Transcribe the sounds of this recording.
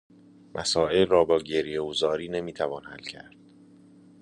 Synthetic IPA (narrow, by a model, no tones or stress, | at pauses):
mʔæ̰sɒːe̞lrɒːbɒːɟe̞ɾijeɡozɒːɾiːne̞miːt̪ʰævɒːnhælcʰæ̰ɾd̪̥̚